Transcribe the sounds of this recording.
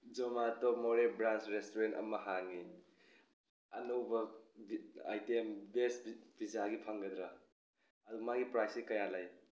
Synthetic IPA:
d͡ʒɔmatɔmɔɾebɾansɾestoɾentɐ̰mɐhaŋi | ɐnowbɐba̰jtembesbb̥izaɡipʰaŋɡɐd̪ɾa | ɐdumaɡipɾajsikɐjalaj

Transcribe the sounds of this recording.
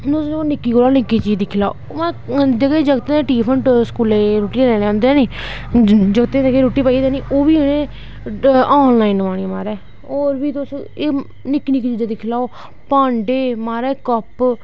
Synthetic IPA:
nʊsonɪkːiːkoːlaːnɪkːiːt͡ʃiːd̪iːkʰɪlaːo̰ | mãːd͡ʒəɡeːd͡ʒəɡt̪eːeːʈiːpʰəɳʈskuːleːɾoːʈiːeɾɛːneːãːnd̪eɛːniː | d͡ʒəɡt̪ẽːt̪ekeːɾoːʈiːpaːid̪eːniːʔoːʋiːeneː | aːnlaːinʋaːɽĩːmaːɾɛː | ɔːɾbiːt̪ʊse | nɪkːiːnɪkːit͡ʃiːd̪eːd̪ɪkʰɪlaːoː | pãːɳɖeːmaːɾɛːkəp

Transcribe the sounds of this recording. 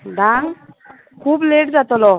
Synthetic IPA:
ɖʱãŋɡ | kʰuːbleʈd͡zat̪lɔ

